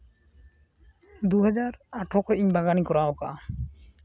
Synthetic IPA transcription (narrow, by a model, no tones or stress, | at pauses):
d̪uɦɛd͡ʒaɾaʈʰɔkɔiɲbaɡanikɔɾaoka̰